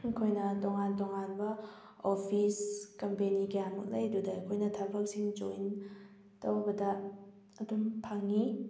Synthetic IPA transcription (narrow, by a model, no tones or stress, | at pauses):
kʰojnɐtoŋantoŋanbɐ | opʰiskɐmpeniɡijamṵk̚lɐjdudɐkʰojnɐtʰɐɾbɐk̚siŋd͡ʒoin | tɐwbɐdɐ | ɐdumpʰaŋi